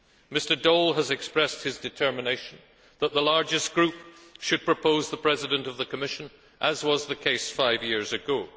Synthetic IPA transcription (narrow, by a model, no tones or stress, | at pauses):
mɪstə˞dolˠəzɨkspɹɛst̚hɨzdɨtʰɜ˞mɨneɪʃn̩ | ðət̪̚ðəlaɹd͡ʒɨsɡ̥ɹʉp̚ʃɨd̚pʰɹ̥ɨpʰoʊzðəpʰɹ̥ɛzɨɾɨ̃ntʌvðɨkʰəmɪʃɨ̃n | ʔəzwʌzðɨkʰeɪsfaɪvjɪɹzɨɡo